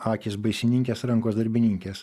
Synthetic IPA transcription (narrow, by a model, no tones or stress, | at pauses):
ɑːkʲɪsbɐɪsʲɪnʲɪŋʲkʲeːsɾɐŋkoːsd̪ɐɾʲbʲɪnʲɪŋʲkʲeːs